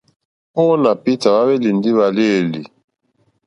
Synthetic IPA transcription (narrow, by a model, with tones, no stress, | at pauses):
pɔ˦na˨pi˦ta˨βa˦βɛ˦li˨ndi˦βa˨le˦˨li˨